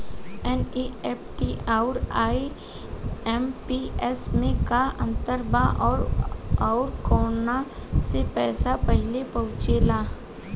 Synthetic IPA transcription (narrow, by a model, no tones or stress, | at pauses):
ɛniɛːpʈiʔaːʊɾaːi | ɛmpiɛsmẽkaʔə̃nt̪əɾbaʔɔːɾaʊɾkɔːnasepɛːsapəɦɪlepɐɦʊ̃t͡ʃelaː